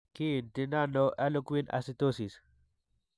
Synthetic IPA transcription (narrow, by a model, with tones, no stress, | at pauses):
ki˦˨ndɪ˨na˦no˦ʔa˦lʊ˦kwi˦nʔa̰˨sɪ˦t̪o˦si˨s